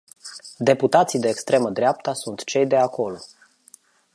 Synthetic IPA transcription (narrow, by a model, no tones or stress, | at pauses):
d̪e̞put̪at̪sijd̪e̞ːkst̪ɾe̞məd̪ɾeap̚t̪asunt̪t͡ʃe̞jd̪e̞akʰo̞lo̞